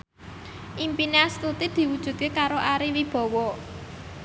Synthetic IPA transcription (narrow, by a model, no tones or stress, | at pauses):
ʔimpineast̪ut̪id̪̥i̤wud̥ʒ̥ṳd̪̚kekaɾoʔaɾiwib̥ɔ̤wɔ